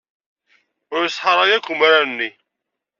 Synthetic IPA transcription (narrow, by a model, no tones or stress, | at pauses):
ʊɾsħɑɾˤɑjækːumaɾænːi